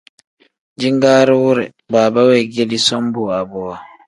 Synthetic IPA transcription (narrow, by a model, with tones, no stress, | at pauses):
d͡ʒi˦ŋɡaː˦ɾɛ˦wu˦ɾɛ̰˨ | baː˨ba˦wɛ˨ɡe˦li˦sɔ˦mbu˨a˨bɔ˨a˨